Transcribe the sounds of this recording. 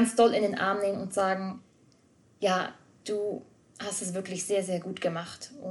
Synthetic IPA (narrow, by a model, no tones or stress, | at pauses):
ansd̥ɔlɪndeːnʔa̰ɐmneːmənʊntz̥aːɡŋ̩ | jaː | d̥uː | hastɛs̬v̥ɪɐklɪçz̥eːɐzeːɐɡuːtɡ̥əmaχtʔʊ